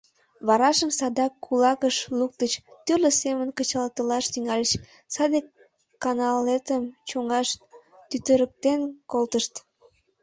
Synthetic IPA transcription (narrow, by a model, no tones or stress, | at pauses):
βɑɾɑʃəmsɑd̪ɑkʰːulɑkəʃluk̚t̪ət͡ɕt̪ørlʲəsemənkət͡ɕɑlt̪əlɑʃt̪yŋɑlʲet͡ɕ | sɑd̪e | kːɑnɑlet̪əmt͡ɕoŋɑʃt̪yt̪əɾək̚t̪enkolt̪əʃt̪